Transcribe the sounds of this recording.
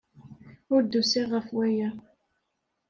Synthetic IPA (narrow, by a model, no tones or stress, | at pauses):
ʊɾd̪usiʁəfwæjæ